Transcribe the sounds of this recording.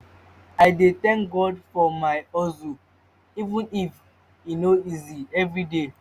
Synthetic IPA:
aɪdet̪ɛ̃ŋk̚ɡɔdfɔmaɪɔzu | ivũnif | inoiziɛvɹide

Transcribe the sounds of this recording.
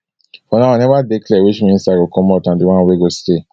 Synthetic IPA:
fɔnaanɛvadeklɛwiʃmĩnsaɡokɔ̃mɔtãndiwãnweɡoste

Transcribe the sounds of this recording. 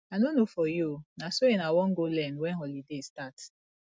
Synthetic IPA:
anonofɔjonasojenawɔŋ̩ɡolɛnwɛnɦɔlidestat

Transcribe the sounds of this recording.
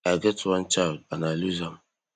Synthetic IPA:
aɡɛtwant͡ʃaanaluzam

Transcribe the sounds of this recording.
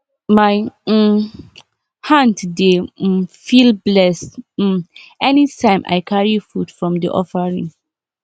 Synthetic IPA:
maj̩ | hãntdefilblɛs̩ | ɛnitʰãɪ̃mʔa̰jkʰaɹifudfɹɔ̃mdḭʔɔ̰fəɹĩŋ

